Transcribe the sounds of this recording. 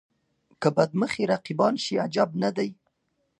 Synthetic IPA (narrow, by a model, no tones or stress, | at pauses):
kəbad̪məxeɾaqibɑnʃiad͡ʒabnad̪aj